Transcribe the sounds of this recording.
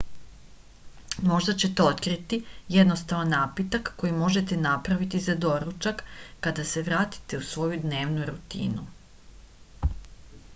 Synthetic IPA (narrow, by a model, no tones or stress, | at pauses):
mo̞ʒd̪at͡ɕe̞t̪eot̪kɾit̪ijed̪no̞st̪aʋanːaːpit̪akːo̞jimo̞ʒet̪e̞napɾaʋit̪izad̪o̞ɾut͡ʃakːad̪ase̞ʋɾaːt̪i̥t̪e̞usʋo̞jud̪ne̞ːʋnuɾut̪ḭːnu